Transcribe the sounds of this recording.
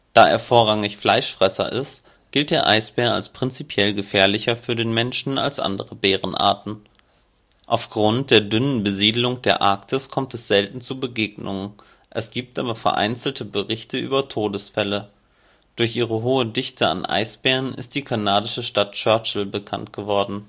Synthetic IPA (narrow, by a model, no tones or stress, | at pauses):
d̥aːʔḛːɐfoːɐʁaŋɪçflaɪʃfʁ̥ɛsɐ̰ʔɪ̰st | ɡ̥ɪlt̚d̥eːɐʔaɪsb̥ɛːɐa̰lspʁ̥ɪnt͡sipʰjɛlɡəfɛːɐlɪçɐfyːɐdeːnmɛnʃn̩a̰lsʔa̰ndəʁəbeːʁənʔa̰ːɐtn̩ | ʔaʊfɡ̥ʁʊnt̚d̥eːɐdʏnənbəziːdl̩ʊŋd̥eːɐʔa̰ɐktʰɪskʰɔmtɛsz̥ɛltn̩t͡suːbəɡeːɡnʊŋ | ʔɛsɡ̥iːp̚tʔaːbɐfɛɐʔa̰ɪnt͡sl̩tʰəbəʁɪçtʰəʔy̰ːbɐtʰoːdəsfɛlə | d̥ʊɐçʔiːʁəɦoːədɪçtʰəa̰nʔa̰ɪsb̥ɛːʁənʔɪ̰st̚d̥iːkʰanaːdɪʃəʃtat̚t͡ʃœɐt͡ʃl̩bəkʰa̰ntɡ̥əvɔɐdn̩